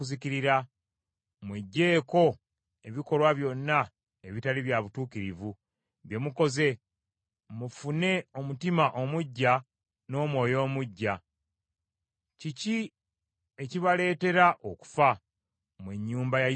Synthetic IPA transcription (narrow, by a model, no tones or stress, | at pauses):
uziciɾiɾa | mweɟːe̞ːko̞ | e̞βiko̞lwaβjo̞nːa | eβitaliβjaβutuːkiɾivu | βje̞muko̞ze̞ | mufune̞o̞mutimaʔomuɟːa | no̞ːmwo̞ːjo̞ːmuɟːa | cici | e̞ciβale̞ːte̞ɾaʔoku̥fa | mweɲːuːmbaj